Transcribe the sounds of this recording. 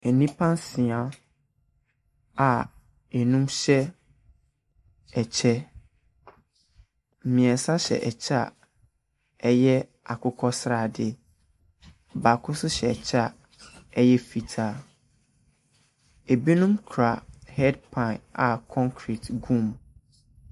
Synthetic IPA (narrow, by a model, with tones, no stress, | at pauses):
ɛ˨nĩ˦pʰã˦nsĩ˨a˨ | a˨ | ɛ˨nũ˦mɕɛ˦ | ɛ˨t͡ɕʰɛ˦ | m̩˨mĩ˨ɛ˨n˨sã˦ɕɛ̰˨ʔɛ˨t͡ɕʰa̰˦˨ | ɛ˦jɛ˦ | a˨kʰʊ˦kʰɔ˦sɾa˨dɪ˦˨ | ba˨kʰʊ˦sʊ˦ɕɛ˨ɛ˨t͡ɕʰa˦˨ | ɛ˦jɛ˦fi˨tʰaː˨ | e˨bi˦nũ˦mkʰɾa˨hɛ˦dpʰã˨a˨kʰɔ̃˦ŋkʰɾi˨tɡũ˦˨m